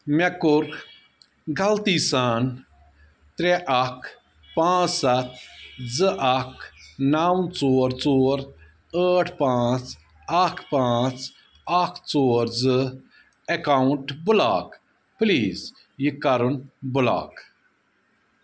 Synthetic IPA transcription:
mekuɾ | ɡɐlt̪isaːn | t̪ɾeʔɐkʰ | pãːt͡ssɐt̪zɨʔɐkʰnawt͡soːɾt͡soːɾ | əːʈʰpãːt͡s | ɐkʰpãːt͡s | ɐkʰt͡soːɾzɨ | ekawʊɳʈbʊla̰ːk | pliːz | jikɐɾunbʊla̰ːk

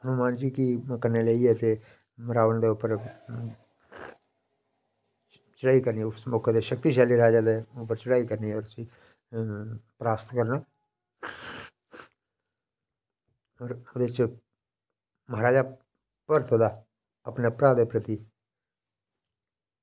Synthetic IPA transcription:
ənʊmãːnd͡ʒiːkikəneleiɛt̪e | mɾaːʋənd̪eʊpəɾ | t͡ʃəɽaːikəɾniɛʊsmokʰed̪eʃək̚t̪iʃaːliɾɐɦad͡ʒaːd̪eʊpəɾt͡ʃəɽaːikəɾniɔːɾsi | pɾaːst̪ʰkəɾnaː | ɔːɾod̪et͡ʃ | məɦaɾaːd͡ʒa | pəɾt̪ʰod̪aː | əpnepɾaːd̪epɾət̪i

